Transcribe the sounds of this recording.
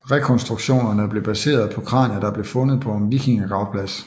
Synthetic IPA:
ʁɛkʰɒ̽nsd̥ʁuɡ̥ɕo̝̰ːnɐnəb̥le̝b̥æse̝̰ːɐð̩ˠpʰɒ̽kʰʁɑ̰̈næd̥ɑ̈b̥le̝fɔ̽nəð̩ˠpʰɒ̽enʋiɡ̥eŋæɡ̥ʁɑ̈ʊpʰlæs

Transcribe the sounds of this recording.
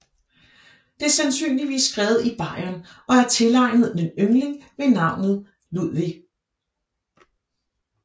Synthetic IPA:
d̥e̝æɐsænsy̰ːnliʋḭːsːɡ̥ʁɛːʊð̞̩ˠib̥ɑ̈ɪ̰ɐnɒ̽æɐt͡sʰe̝lɑ̈ɪnəð̞̩ˠmenømle̝ŋʋe̝nɑ̈ʊ̰nð̩ˠ | luð̰ˠʋi

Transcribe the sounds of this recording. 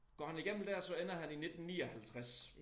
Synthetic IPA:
ɡ̥ɒ̰ːhæniɡ̥em̰m̩d̥æɐ̰sɒ̽enɐɦænine̝d̥n̩nḭːɒhælt͡sʰʁas

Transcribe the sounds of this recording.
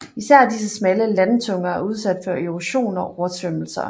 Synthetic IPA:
isæɐ̰d̥is̬əsmæləlænt͡sʰɔ̽ŋɐæɐuð̞ˠsæd̥fɒʔeʁoɕo̝̰ːnɒ̽ʔɒɐt͡sʰʋøml̩sɐ̰

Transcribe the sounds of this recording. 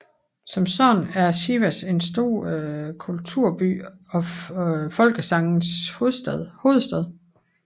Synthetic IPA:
sɒ̽msɒnæɐɕiʋæse̝nsd̥o̝̰ɐ̰kʰult͡sʰuɐ̰b̥y̰ːɒ̽fɒ̽lɡ̥əsɑ̈ŋn̩shoððˠho̝ːð̩ˠsd̥ɛðˠ

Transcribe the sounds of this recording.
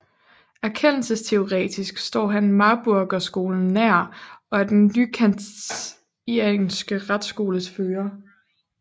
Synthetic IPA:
æɐkʰen̰l̩səst͡sʰe̝o̝ʁɛ̰ːd̥isɡ̥sd̥ɒ̰ːɦænmɑ̈b̥uɐɡ̥ɐsɡ̥o̝ːln̩ːæɐ̰ɒ̽æɐd̥enːykʰænd | ieŋsɡ̥əʁad̥sɡ̥o̝ːləsføːɐ

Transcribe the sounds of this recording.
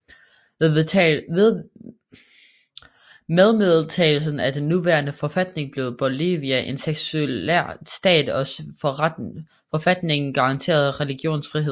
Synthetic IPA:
meðˠmeðˠt͡sʰɛ̰ːl̩sn̩æd̥enːuʋæɐnəfɒ̽fæd̥ne̝ŋb̥le̝ʊð̩ˠb̥o̝lḭːʋiæʔe̝nseɡ̥sueæsd̥ɛ̰ːd̥ɒ̽s | fɒ̽fæd̥ne̝ŋn̩ɡ̥ɑ̈ʁɑ̈nt͡sʰe̝̰ːɐð̞ˠʁɛliɡ̥jo̝̰ːnsfʁiɦe̝ð̰ˠ

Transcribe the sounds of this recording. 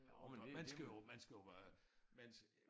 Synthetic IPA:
mænsɡ̥æjomænsɡ̥æjoʋæɐmæns

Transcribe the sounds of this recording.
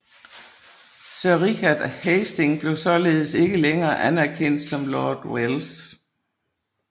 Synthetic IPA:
sɶɐʁikæd̥hesd̥e̝ŋb̥le̝ʊsɒ̽le̝ːð̞̩ˠəse̝ɡ̥əleŋɐːʔænæɐkʰen̰d̥sɒ̽mlɒːd̥wels

